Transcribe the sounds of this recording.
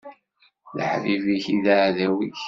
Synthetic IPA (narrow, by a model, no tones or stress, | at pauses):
lə̰ħviviçiðaʕðæwiç